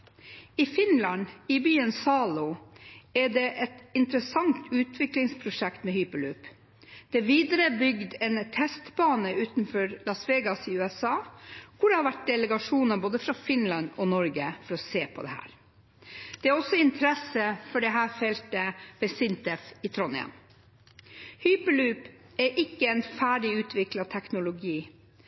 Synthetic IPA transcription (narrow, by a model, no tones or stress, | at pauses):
ɪfɪnlɑnɪbyːənsɑːlʊ | æɖɛʔɛt̪ɪnt̪ɾəsɑŋt̪ʉːt̪ʰʋɪklɪŋspʰɾʊʂɛkt̪mɛhʏːpəlʉːp | d̪̥ɛʋiːd̪əɾəbʏɡd̪ɛnt̪ʰɛst̪bɑːnəʉːt̪nfɔɾlɑsʋeːɡɑsɪʉːɛsɑːkʰʊɖɛhɑɾʋæʈ̚d̪ɛləɡɑʂuːnəboːd̪əfɾɑfɪnlɑnɔnɔɾɡəfɔɾɔseːpʰɔd̪ɛ̰hæ̰ːɾ | d̪̥ɛæɾɔsɔɪnt̪ʰəɾɛsəfɔɖɛɦæːɾfɛlt̪əʋɛsɪnt̪ɛfɪt̪ʰɾɔnɪ̰ə̰n | hyːpəlʉːp | ɛɾʔɪkːəɛnfæːɖɪʉːt̪ʰʋɪklɑt̪ʰɛknʊlʊɡiː